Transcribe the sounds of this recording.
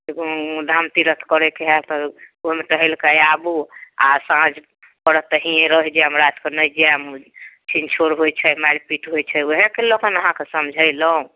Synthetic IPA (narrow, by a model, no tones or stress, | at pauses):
d̪ʱamt̪iɾət̪ʰkəɾɛkeɦat̪ɔoɦmet̪əɦɛlkajabua̰sãd͡ʒʱ | pəɾət̪əɦiẽɾəɦd͡ʒeəmɾat̪kenəjd͡ʒemt͡ʃʰint͡ʃʰoɾɦojt͡ʃʰəmaɾipiʈɦojt͡ʃʰəoɦekelokənəɦãkesəmd͡ʒʱəjləũ